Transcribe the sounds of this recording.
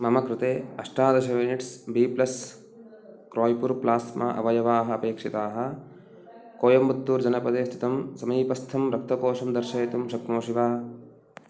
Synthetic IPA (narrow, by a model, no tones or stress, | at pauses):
mɐmɐkɾɪt̪eːɐʂʈaːd̪ɐʃɐʋiniʈsbiːplɐs | kɾoːjpuɾplaːsma̰ʔɐ̰ʋɐjɐʋaːɦɐ̆ɐpeːkʂit̪aːɦɐ̆ | koːjɐmbɐt̪ːuːɾd͡ʒɐnɐpɐd̪eːst̪ʰit̪ɐmsɐmiːpɐst̪ʰɐmɾɐk̚t̪ɐkoːʂɐmd̪ɐɾʃɐːt̪umʃɐkmoːʃiʋaː